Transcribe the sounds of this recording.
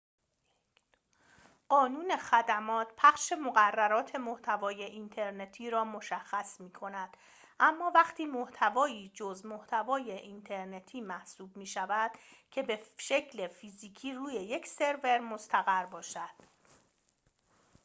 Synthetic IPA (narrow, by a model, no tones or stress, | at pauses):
ɢɒːnuːne̞xæd̪æmɒːt̪pʰæχʃe̞moɣærːæɾɒːt̪ʰe̞moht̪ʰævɒːje̞ʔint̪ʰe̞ɾne̞t̪ʰiːɾɒːmo̞ʃæxːæsmiːkʰo̞næd̪̥ | ʔæmːɒːvæχt̪ʰiːmoht̪ʰævɒːiːd͡ʒozmoht̪ʰævɒːje̞ʔint̪ʰe̞ɾne̞t̪ʰiːmæhsuːbmiːʃævæd̪̥cʰe̞be̞ʃe̞cʰle̞fiːziːcʰiːruːje̞je̞cʰse̞ɾve̞ɾmost̪ʰæɣæɾbɒːʃæd̪̥